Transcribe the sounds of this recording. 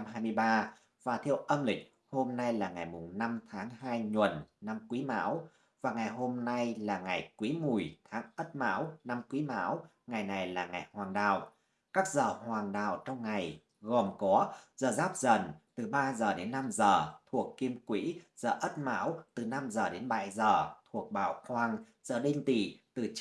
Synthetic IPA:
mɦaː˧jmɨ˧əjɓaː˧ | vaː˨˩t̪ʰɛ˧əwʔə˧mlï˨˩k̟̚ | ho˧mna˧jlaː˨˩ŋa˨˩jmʊ˨˩ŋ͡mna˧mt̪ʰaː˨˦ŋɦaː˧jɲwə̰˨˩nna˧mkwi˨˦ma̰ː˧˥w | vaː˨˩ŋa˨˩jɦo˧mna˧jlaː˨˩ŋa˨˩jkwi˨˦mu˨˩əjt̪ʰaː˨˦ŋʔə˦˥t̚ma̰ː˧˥wna˧mkwi˨˦ma̰ː˧˥w | ŋa˨˩jna˨˩jlaː˨˩ŋa˨˩jhwaː˨˩ŋɗa̰ː˧˨w | kaː˦˥k̚zəː˨˩hwaː˨˩ŋɗa̰ː˨˩wt͡ɕɔ˧wŋ͡mŋa˨˩j | ɣo˨˩mkɔ˨˦zəː˨˩zaː˦˥p̚zə˨˩nt̪ɨ˨˩ɓaː˧zəː˨˩ɗe˨˦nːa˧mzəː˨˩t̪ʰu˨˩əkːi˧əmkwḭ˧˥z̥əː˧˨˩ʔə˦˥t̚ma̰ː˧˥wt̪ɨ˨˩na˧mzəː˨˩ɗe˨˦nɓa̰ː˧˨jzəː˨˩t̪ʰu˨˩ək̚ɓa̰ː˧˨wkwaː˧ŋzəː˨˩ɗe˧nt̪i˧˩t̪ɨ˨˩

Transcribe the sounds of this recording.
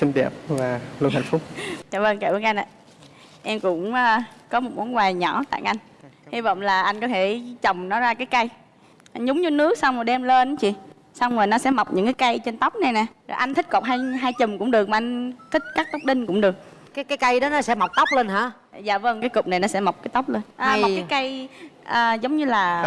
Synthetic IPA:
sï˧ŋ̟ɗɛ̰˨˩p̚vaː˨˩lu˧nha̰˧˩jŋ̟fʊ˦˥k͡p̚t͡ɕa̰ː˧˨və˧ŋka˧˩ɓnʔa˧n̟ʔa̰ː˧˨ | ʔɛ˧mkʊ̰˧˥ŋ͡məː˧kɔ˨˦m˨˩t̚mɔ˨˦nɡwaː˨˩jɲɔ̰˧˩t̪a̰ː˧˨jʔa˧jŋ̟ | hi˧˦və̰˧˨wŋ͡mlaː˨˩ʔa˧jŋ̟kɔ˨˦t̪ʰe˧˩t͡ɕə˨˩wŋ͡mnɔ˨˦zaː˧kaː˨˦jka˧j | ʔa˧zʊ˨˦ŋ͡mɲɨ˧nɨ˦˥ək̚sa˧wŋ͡mmo˨˩ɗɛ˧mle˧n˨˦t͡ɕḭ˧˨ | sa˧wŋ͡mŋoː˨˩nɔ˨˦sɛ̰˧˥ma˨˩wk͡p̚ɲɨ̰˧˥ŋkaː˨˦jka˧jt͡ɕe˧nt̪a˦˥wk͡p̚nɛ˨˩jnɛ˨˩zʔa˧j̟t̪ʰï˦˥k̟̚kɔ˨˩ɦaː˧jɦaː˧jt͡ɕɨ˨˩ŋ͡mkʊ̰˧˥ŋ͡mɗɨ˨˩ək̚ma˨˩ʔa˧jŋ̟t̪ʰï˦˥k̟̚kaː˦˥k̚t̪ɔ˦˥k͡p̚ɗï˧ŋkʊ̰˧˥ŋ͡mɗɨ˨˩ək̚ | kaː˨˦jkaː˨˦jka˧jɗɔ˨˦nɔ˨˦sɛ̰˧˥ma˨˩wk͡p̚t̪ə˦˥wk͡p̚le˧nɦa̰ː˧˥ | za̰ː˧˨və˧ŋkaː˨˦jkʊ˨˩k͡p̚na˨˩jnɔ˨˦sɛ̰˧˥ma˨˩wk͡p̚kaː˨˦jt̪a˦˥k͡p̚leː˧nʔaː˨˧m˨˩k͡p̚kaː˨˦jka˧jʔəː˨˩zə˨˦wŋ͡mɲɨ˧laː˨˩

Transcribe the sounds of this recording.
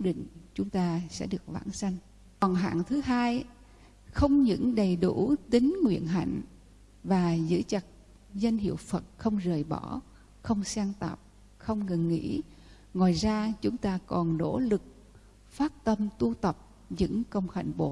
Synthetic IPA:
k̚ɗḭ̈˧˨ŋ̟t͡ɕʊ˨˦ŋ͡mt̪aː˧sɛ̰˧˥ɗɨ˨˩ək̚va̰ː˧˥nsa˧jŋ̟ | ɔ˨˩nɦa̰ː˧˨ŋt̪ʰɨ˨˦ɦaː˧j | xə˧wŋ͡mɲɨ̰˧˥ŋɗə˨˩jɗu˧˩t̪ï˨˦ŋ̟ŋwḭ˧˨ənɦa̰˧˨jŋ̟ | vaː˨˩zɨ̰˧˥t͡ɕə˨˩t̚ | zə˧ŋhḭ˧˨əwfə˨˩t̚xə˧wŋ͡mzəː˨˩jɓɔ˧˥ | xə˧wŋ͡msaː˧ŋt̪a̰ː˨˩p̚ | xə˧wŋ͡mŋɨ˨˩ŋːḭ˧˥ | ŋwɔː˨˩jzaː˧t͡ɕʊ˨˦ŋ͡mt̪aː˧kɔ˨˩nːo̰˧˥lɨ˨˩k̚ | faː˦˥t̚t̪ə˧mt̪u˧t̪ə˨˩p̚ | ɲɨ̰˧˥ŋkə˧wŋ͡mxa̰˧˨jŋɓo˧˩

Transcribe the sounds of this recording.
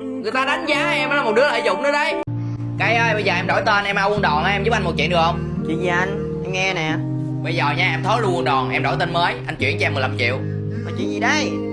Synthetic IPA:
ŋɨ˨˩əjt̪aː˧ɗa˨˦jŋ̟zaː˧ʔɛ˧m˨lːa˨˩m˨˩t̚ɗɨ˨˦˥ələː˧˨˩jzʊ˨ŋ͡m̚nɨ˨˦ɗə˧j | ka˨˩˦jʔəː˧jɓə˧jzəː˨˩ʔɛ˧mɗo˧˩jt̪e˧nʔɛ˧mʔaː˧wnɗɔ˨˩nʔʔɛ˧mzu˦˥p̚ʔa˧jŋmo˨˩t̚t͡ɕḭ˧˨əɗɨ˨˩k̚hə˧wŋ͡m | t͡ɕḭ˧˨zi˨˩ʔa˧jŋ̟ | ʔɛ˧mŋɛ˧nɛ˨˩ | ɓə˧jzəː˨˩ɲaː˧ʔɛ˧mt̪ʰo˨˦˥lu˧wnɗɔ˨˩nʔɛ˧mɗo˧˩jt̪ə˧nməː˨˦jʔa˧jŋ̟t͡ɕwḭ˧˨ənt͡ɕmː˨˩jla˨˩mt͡ɕḭ˧˨əw | nɔ˨˦t͡ɕwḭ˧˨nzi˨˩ɗə˧j

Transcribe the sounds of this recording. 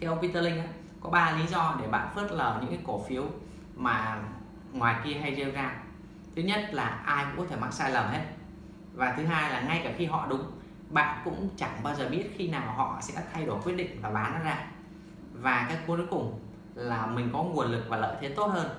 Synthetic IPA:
kaː˨˦jʔə˧ŋ͡mpi˧t̪əː˧lï˧ŋ̟ʔaː˨˦ | kɔ˨˦ɓaː˧li˨˦zɔ˧ɗe˧˩ɓa̰ː˧˨nfə˦˥t̚ləː˨˩ɲɨ̰˧˥ŋkaː˨˦ko˧˩fi˨˦əw | maː˨˩ | ŋwaː˨˩jki˧əɦa˧jzə˧wzaː˧ | t̪ʰɨ˨˦ɲə˦˥t̚laː˨˩ʔaː˧jkʊ̰˧˥ŋ͡mkɔ˨˦t̪ʰe˧˩ma˦˥t̚saː˧jlə˨˩mhe˦˥t̚ | vaː˨˩t̪ʰɨ˨˦ɦaː˧jlaː˨˩ŋa˧jkaː˧˩xi˧ɦɔ̰˧˨ɗʊ˨˦ŋ͡m | ɓa̰ː˧˨nkʊ̰˧˥ŋ͡mt͡ɕa˧˩ŋɓaː˧wzəː˨˩ɓi˦˥ət̚xi˧naː˨˩wɦɔ̰˧˨sɛ̰˧˥t̪ʰa˧jɗo˧˩jkwəɗḭ˧˨ŋ̟vaː˨˩ɓaː˨˦nɔ˨˦zaː˧ | vaː˨˩kaː˨˦jkːjkʊ˨˩ŋ͡m | laː˨˩mï˨˩ŋ̟kɔ˨˦ŋu˨˩ənlɨ˨˩k̚vaː˨˩lə̰ː˧˨jt̪ʰe˨˦t̪o˦˥t̚həː˧n

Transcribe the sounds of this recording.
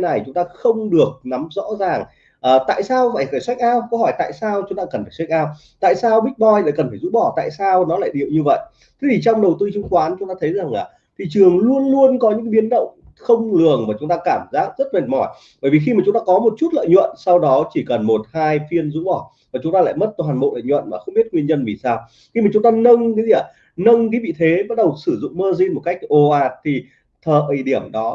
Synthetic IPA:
na˨˩jt͡ɕʊ˨˦ŋ͡mt̪aː˧xə˧wŋ͡mɗɨ˨˩ək̚na˨˦mzɔ̰˧˥zaː˨˩ŋ | ʔəː˨˩t̪a̰ː˧˨jsaː˧wva̰ː˧˩jfaː˧˩jswa˦˥k̚ʔaː˧wkə˧˦hɔ˧˩jt̪a̰ː˧˨jsaː˧wt͡ɕʊ˨˦ŋ͡mt̪aː˧kə˨˩nfaː˧˩swk̚ʔaː˧w | t̪a̰ː˧˨jsaː˧wɓi˦˥k̟̚ɓɔ˧˩jla̰ː˧˨jkə˨˩nfaː˧˩jzṵ˧˥ɓɔ˧˩t̪a̰ː˧˨jsaː˧wnɔ˨˦la̰ː˧˨jɗi˨˩əwɲɨ˧və̰˧˨jʔ | t̪ʰi˨˦i˨˩t͡ɕɔ˧wŋ͡mɗə˨˩wt̪ɨ˧t͡ɕɨ˨˦ŋ͡mkwaː˨˦nt͡ɕʊ˨˦ŋ͡mt̪aː˧t̪ʰjza˨˩ŋlaː˨˩ | t̪ʰi˨˩t͡ɕɨ˨˩əŋlu˧ənlu˧ənkɔ˨˦ɲɨ̰˧˥ŋɓi˨˦ənɗə̰˧˨wŋ͡m | xə˧wŋ͡mlɨ˨˩əŋmaː˨˩t͡ɕʊ˨˦ŋ͡mt̪aː˧kaː˧˩mzaː˦˥k̚zə˦˥t̚ma˨˩mɔ˧˩j | ɓəː˧˩jvi˨˩xi˧maː˨˩t͡ɕʊ˨˦ŋ͡mt̪aː˧kɔ˨˦mo˨˩t̚t͡ɕu˦˥t̚lə̰ː˧˨jɲwə̰˧˨nsa˧wɗɔ˨˦t͡ɕi˧˩kə˨˩nmo˨˩t̚haː˧jfi˧ənzu˨˦ŋ͡mɓɔ˧˩ | vaː˨˩t͡ɕʊ˨˦ŋ͡mt̪aː˧l̰a̰ː˧˨jmə˦˥t̚t̪ːjhaː˨˩nmo̰˧˨lə̰ː˧˨jɲwə̰˧˨nmaː˨˩xə˧wŋ͡mɓi˦˥ət̚ŋwi˧ənɲə˧nvi˨˩saː˧w | xi˧maː˨˩t͡ɕʊ˨˦ŋ͡mt̪aː˧nə˧ŋka˨˦zi˧˨ʔaː˨˩ | nə˧ŋkaː˨˦vḭ˧˨t̪ʰe˨˦ɓa˦˥t̚ɗə˨˩wsɨ˧˩zʊ̰˧˨ŋ͡mməː˧zi˧nmo˨˩t̚ka˦˥jk̟̚ʔo˧˩ʔaː˧˩t̚t̪ʰi˨˩ | t̪ʰəː˨˩ʔi˧˩ɗi˧˩əmɗɔ˨˦

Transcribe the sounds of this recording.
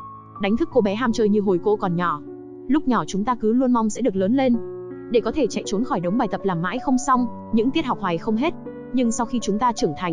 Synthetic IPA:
ɗa˨˦ŋ̟t̪ʰɨ˦˥kːo˧˩ɓɛ˨˦ɦaː˧mt͡ɕəː˧jɲɨ˧ɦo˨˩jko̰˧˥kɔ˨˩nɲɔ˧˩ | lʊ˦˥k͡p̚ɲɔ˧˩t͡ɕʊ˨˦ŋ͡mt̪aː˧kɨ˨˦lu˧ənma˧wŋ͡msɛ̰˧˥ɗək̚ləː˨˦nle˧n | ɗe˧˩kɔ˨˦t̪ʰe˧˩t͡ɕa̰˧˨t͡ɕo˨˦nxɔ˧˩jɗə˨˦wŋ͡mɓaː˨˩jt̪ə˨˩p̚laː˨˩mːa̰ː˧˥jxə˧wŋ͡msa˧wŋ͡m | ɲɨ̰˧˥ŋt̪i˦˥ət̚ha˨˩wk͡p̚hwa˨˩jxə˧wŋ͡mɦe˦˥t̚ | ɲɨ˧ŋsa˧wxi˧t͡ɕʊ˨˦ŋ͡mt̪aː˧t͡ɕɨ˧˩əŋt̪ʰa˨˩ŋ̟

